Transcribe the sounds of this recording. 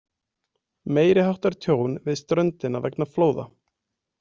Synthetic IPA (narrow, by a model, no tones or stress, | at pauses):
meːjɾɪɦawht̪aɾ̥t̪ʰjoːwnvɪðst̪ɾœɥnt̪ɪna̰vɛ̰knafloːwða̰